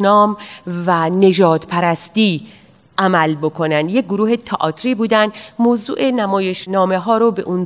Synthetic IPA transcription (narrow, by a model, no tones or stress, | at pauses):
nɒːmvæne̞d͡ʒɒːd̪pʰæɾæst̪iː | ʔæmælbo̞kʰo̞nænd̪jek̚ɡoɾuːhe̞t̪ʰɒ̰ʔɒːt̪ʰɾiːbuːd̪ænd̪moːzṵːʔenæmɒːje̞ʃnɒːme̞ɦɒːɾobe̞̰ʔun